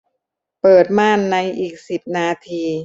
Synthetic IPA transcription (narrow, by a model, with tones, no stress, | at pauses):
pɤː˨˩t̪̚maː˥˩nːa˧jʔiː˨˩k̚si˨˩p̚naː˧t̪ʰiː˧